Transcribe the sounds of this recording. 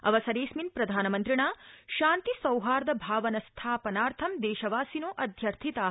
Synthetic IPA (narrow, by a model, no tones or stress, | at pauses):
ɐ̰ʋɐsɐɾeːʃminpɾɐd̪ʱaːnɐmɐnt̪ɾiɳaːʃaːnt̪isɐwɦaːɾd̪ɐbʱaːʋɐnɐst̪ʰaːpɐnaːɾt̪ʰɐmd̪eːʃɐʋaːsinoːʔɐd̪ʱjɐɾt̪ʰit̪aː